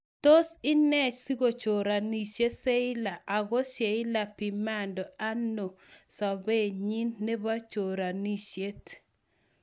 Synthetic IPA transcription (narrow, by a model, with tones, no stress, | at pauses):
to˦sɪ˦nɛ˦t͡ʃsi˦ɡo˨t͡ʃo˨ɾa˨ni˨ʃe˦se˦ɪ˦la˨ʔa˨ɡɔ˦ʃje˨ɪ˦la˨pi˨ma˦ndɔ˨a˦no˨sa˨be˦˨ɲi˦nːe˦ba˦t͡ʃo˨ɾa˨ni˦ʃje˦t